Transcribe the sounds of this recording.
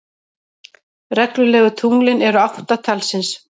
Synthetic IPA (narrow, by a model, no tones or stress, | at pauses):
rɛklʏlɛːɣʏt̪ʰuŋlɪnɛɾʏawht̪at̪ʰalsɪns